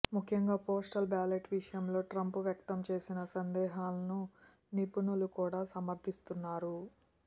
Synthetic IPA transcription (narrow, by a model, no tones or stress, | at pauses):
mukʰjɐŋɡaːpoːsʈɐlbaːleʈʋiʂɐjɐmlo̞ːʈɾɐmpuʋjɐkt̪ɐmt͡ʃe̞ːsinɐsɐnd̪ɛːɦaːlɐnu | nipunulukuːɽaːsɐmɐɾt̪ʰist̪unːaːɾu